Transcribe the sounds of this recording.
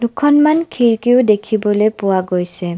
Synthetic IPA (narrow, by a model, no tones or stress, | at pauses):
dukʰɔnmankʰiɹkiʊdekʰibɔlejpʊwaɡojsɛ